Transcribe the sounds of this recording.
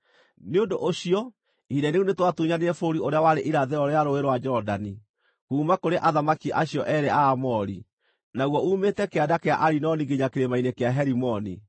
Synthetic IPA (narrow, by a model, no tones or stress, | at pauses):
neondoʔoɕiɔ | idɛneunetwatuɲaneɾɛfoɾioɾeawaɾeʔiɾaðɛɔɾeaɾoeɾwad͡ʒɔdani | kuːmakoɾeʔaðamakiʔaɕijɔʔɛɾɛaːmɔɾi | naɣwɔuːmetɛkeadakea̰ʔaɾinɔniɡeɲakeɾemainekeaɦɛɾimɔnḭ